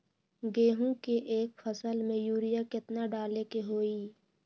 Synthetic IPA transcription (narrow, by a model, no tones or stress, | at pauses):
ɡeːɦũkeʔeːkfʰəsəlmẽjuːɾijakɪt̪naɖaːlekeɦoːiː